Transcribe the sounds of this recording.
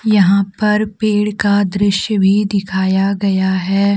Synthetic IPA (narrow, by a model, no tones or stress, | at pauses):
jɐɦãpɐɾpeːɽkad̪ɾɪʃjəbʱid̪ɪkʰaːjaɡɐjaɦɛː